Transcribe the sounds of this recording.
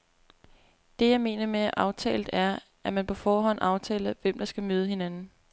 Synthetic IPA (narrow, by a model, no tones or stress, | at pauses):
d̥e̝jɑ̈ɪme̝ːnɐmeæʔɑ̈ʊt͡sʰɛ̰ːld̥æɐ | ʔæmænpʰɒ̽fɒːɦɒ̽n̰ɑ̈ʊt͡sʰɛ̰ːlɐʋem̰d̥ɑ̈sɡ̥æmøːð̞ˠəhe̝nænn̩